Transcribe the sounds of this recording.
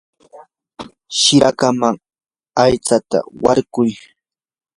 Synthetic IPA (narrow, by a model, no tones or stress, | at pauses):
ʃɪɾakamaŋ | ajt͡sat̪a̰waɾɢʊj